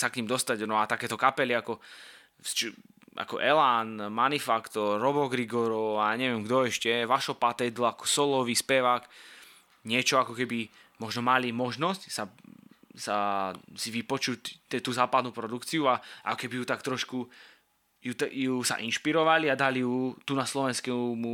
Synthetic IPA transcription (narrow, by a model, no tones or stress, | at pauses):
sakɲimd̪ɔst̪aɟnɔat̪akɛːt̪ɔkapɛliakɔ | st͡ʃ | a̰kɔ̰ʔɛlanmanifakt̪ɔɾːɔbɔɡɾiɡɔɾɔaaɲɛʋɛmɡd̪ɔɛʃcɛʋaʃɔpat̪ɛd̪lɔakɔ̥sɔlɔʋispɛʋaːk | ɲɪɛt͡ʃɔakɔkɛbi | mɔʒnɔmalimɔʒnɔscsa | sasiʋipɔt͡ʃuct̪ɛt̪uːzaːpad̪nuːpɾɔd̪ukt͡siuaʔa̰kɔkɛbiɦut̪akt̪ɾɔʃku | jut̪jusa̰ʔinʃpiɾɔʋaliad̪alijut̪unaslɔʋɛnskɛmu